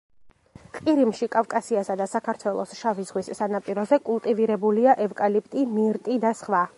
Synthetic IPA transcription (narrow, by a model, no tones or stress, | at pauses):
qʼiɾimʃikʼavkʼasiasad̪asakʰaɾt̪ʰwɛlˠɔ̰sʃavizʁwisːanapʼiɾɔzɛkʼulˠt̪ʼiviɾɛbuliaʔɛvkʼalipʰʼt̪ʼimiɾt̪ʼid̪asχva